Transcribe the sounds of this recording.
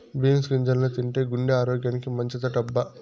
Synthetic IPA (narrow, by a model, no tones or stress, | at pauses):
biːnskiɲd͡ʒɐlnɐt̪iɳʈeːɡuɳɖeaːɾoːɡjɐːnikimɐɲt͡ʃit̪ɐʈɐbːɐ